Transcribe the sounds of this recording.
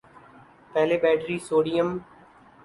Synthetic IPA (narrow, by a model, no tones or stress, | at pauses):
pɛːleːbɛːʈɾiːsoːɽijəm